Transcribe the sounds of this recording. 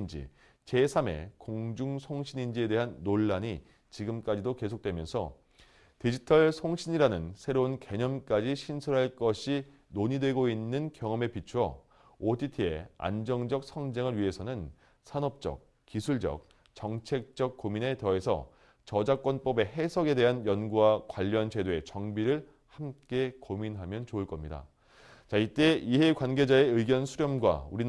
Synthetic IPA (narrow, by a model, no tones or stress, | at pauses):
nd͡ʑḭ | t͡ɕe̞sʰame̞̰koŋd͡ʑuŋsʰoŋɕʰiɲind͡ʑie̞de̞ɦanːoɭːaɲi | t͡ɕiɡɯmk͈ad͡ʑidoke̞s̬ʰok̚t͈wemjʌnsʰʌ̰ | tid͡ʑitʰʌɭsʰoŋɕʰiɲiɾanɯnsʰe̞ɾounke̞ɲʌmk͈ad͡ʑiɕʰinsʰuɾɦaɭk͈ʌɕʰi | noɲidwe̞ɡoinːɯnkjʌŋʌme̞pit͡ɕʰuʌ̰ | otʰitʰie̞̰a̰nd͡ʑʌŋd͡ʑʌk̚sʰʌŋd͡ʑeŋɯɭɥiɦe̞sʰʌnɯn | sʰanʌp̚t͡ɕ͈ʌ̰k̚ | kisʰuɭd͡ʑʌ̰k̚ | t͡ɕʌŋt͡ɕʰe̞k̚t͡ɕ͈ʌk̚k͈omine̞tʌe̞sʰʌ̰ | t͡ɕʌd͡ʑak͈wʌnp͈ʌbe̞ɦe̞sʰʌɡe̞de̞ɦanjʌnɡuwakwaʎːʌnd͡ʑe̞doe̞t͡ɕʌŋbiɾɯɭ | hamk͈e̞kominɦamjʌnt͡ɕouɭk͈ʌmɲida̰ | t͡ɕait͈e̞iɦe̞kwanɡed͡ʑae̞ɯiɡjʌnsʰuɾjʌmɡwa̰uɾi